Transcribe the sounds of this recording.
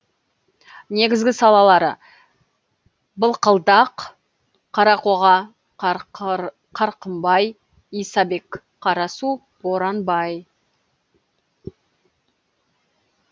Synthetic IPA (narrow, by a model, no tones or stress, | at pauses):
ne̞ɡʲɪzɡʲɪsɑlˠɑlˠɑɾə | bəlˠqəlˠd̪ɑq | qʰːɑɾɑqoʁɑ | qʰɑɾqəmbɑj | ijsɑbe̞k | qʰːɑɾɑsu | boɾɑnbɑj